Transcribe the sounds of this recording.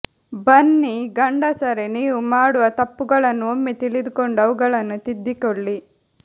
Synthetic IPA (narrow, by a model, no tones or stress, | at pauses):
bɐnːiɡɐɳɖɐsɐɾeniːʋumaːɽuʋɐt̪ɐpːuɡɐɭɐnːuomːit̪iɭid̪ukoɳɖɐʋuɡɐɭɐnːut̪id̪ːikoɭːi